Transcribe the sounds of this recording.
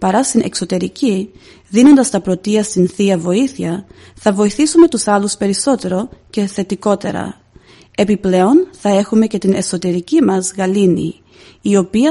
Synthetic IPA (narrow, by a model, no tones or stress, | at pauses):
pɐɾɐst̪inʔe̞̰kso̞t̪e̞ɾici | ðino̞nd̪ɐst̪ɐpɾo̞t̪iɐst̪inθiɐvo̞iθiɐ | θɐvo̞iθisume̞t̪usɐluspe̞ɾiso̞t̪e̞ɾo̞ce̞θe̞t̪iko̞t̪e̞̰ɾɐ̰ | e̞piple̞o̞nθɐe̞xume̞ce̞t̪ine̞so̞t̪e̞ɾicimɐzɣɐlinḭː | o̞piɐ